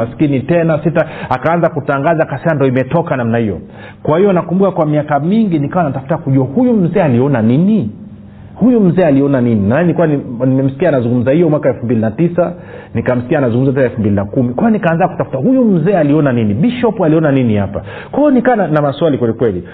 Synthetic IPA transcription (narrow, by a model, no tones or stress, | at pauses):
askinitɛnasitaakaanzakutaŋɡazaːkasɛmandiɔimɛtɔkanamnahijɔ̰ | kwahijɔnakumbukakwamiakamiŋɡinikawanatafu̥takuʄuahujum̩zɛːaliɔnanini | hujum̩zɛːaliɔnanininaaɛnikuwaninimɛm̩si̥kianazuŋɡum̩zahijɔmwakaɛlfumbilinatisa | nikam̩si̥kianazuŋɡum̩zatɛnɛlfumbilinakumikwajɔnikaanzaaku̥tafu̥tahujum̩zɛːaliɔnaniniɓiʃɔpualiɔnaniniha̰pa̰ | kwajɔnikaananamaswalikwɛlikwɛli